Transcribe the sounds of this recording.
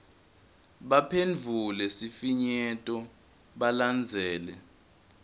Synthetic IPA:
ɓapʰend͡vʱulɛsifiɲɛtʼɔ | ɓaland͡zʱɛːlɛ

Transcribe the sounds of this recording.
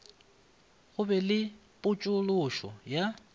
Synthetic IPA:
ɣʊbɛlɪ | pʼʊt͡ʃʼʊlʊʃɔja

